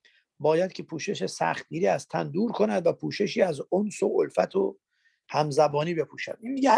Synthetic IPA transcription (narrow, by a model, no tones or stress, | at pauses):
bɒːjæd̪̚cʰe̞pʰuːʃe̞ʃesæ̰χt̪̚ɡiːɾiːæst̪ʰæ̰nd̪uːɾkʰo̞næd̪væpʰuːʃe̞ʃiːæzonsoʔolfæt̪ʰo | hæmzæbɒːniːbe̞pʰuːʃæ̰d̪̥inmiɡe